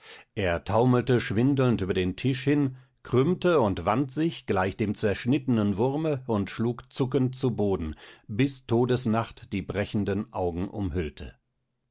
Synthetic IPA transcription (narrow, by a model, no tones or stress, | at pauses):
ʔeːɐtʰaʊməl̩təʃv̥ɪndl̩ntʔyːbɐdeːntʰɪʃhɪn | kʁ̥ʏmtəʊntv̥antz̥ɪçɡ̥laɪçd̥eːmt͡sɛɐʃnɪtənənvʊʁməʊntʃluːkt͡sʊkəntt͡suboːdn̩bɪstʰoːdəsnaχtd̥iːbʁɛçn̩dənʔaʊɡŋ̩ʔʊ̰mɦʏltʰə̰